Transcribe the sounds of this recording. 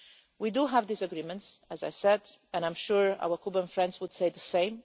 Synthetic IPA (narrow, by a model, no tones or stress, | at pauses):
widuɦævdisəɡɹimə̃ntsɨzajsɛdɛ̃nãj̃mʃuɹa̰wə˞kʰubə̃nfɹɛ̃ndzwʊd̥seɪðəsẽɪ̃m